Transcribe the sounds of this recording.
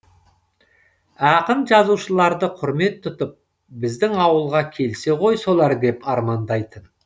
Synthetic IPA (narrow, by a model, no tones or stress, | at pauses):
ɑqənʒɑzuwʃəlˠɑɾd̪əqʰʊɾme̞t̪ʰːʊt̪əp̚ | bɪzd̪ɪŋɑwəlˠʁɑkʲʰe̞lse̞qʰo̞jso̞lˠɑɾd̪e̞pɑɾmɑnd̪ɑjt̪ən